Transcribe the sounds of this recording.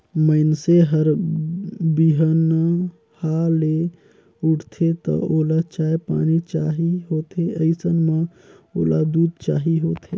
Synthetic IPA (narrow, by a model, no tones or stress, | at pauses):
məɪnseɦəɾ | biɦən | hale | uʈʰt̪ʰet̪ə̰olat͡ʃaːjpa̰nit͡ʃaɦiɦot̪ʰeəɪsənme | o̰ːlad̪ud̪̚ʱt͡ʃaːɦiɦot̪ʰe